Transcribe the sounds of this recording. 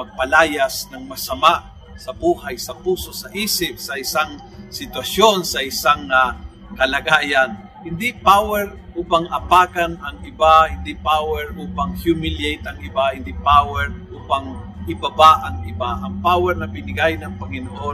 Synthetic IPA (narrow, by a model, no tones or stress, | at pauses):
mɐɡ̚pɐlaːjasnɐŋmɐsɐmaʔ | sɐbuːhajsɐpuːso̞sɐʔiːsɪp̚sɐʔɪsaŋ | sɪt̪wɐsjonsɐʔɪsaŋa | kɐlɐɡaːjan | hɪnd̪ɪpawɛɾ | ʔuːpaŋʔɐpaːkanɐŋɪbahɪnd̪ɪpawɛɹʔuːpaŋhjumɪljejt̪ɐŋɪbahɪnd̪ipawɛɾʔuːpaŋʔɪbabaʔɐŋɪbaʔɐŋpaːwɛɾnɐbɪnɪɡajnɐŋpɐŋɪnoʔo